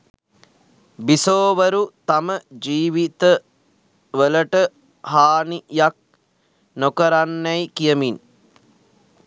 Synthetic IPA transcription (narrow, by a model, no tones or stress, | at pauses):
bisoːʋəɾut̪aməd͡ʒiːʋit̪ə | ʋələʈə | ɦaːnijak̚ | nokəɾanːæjkijəmin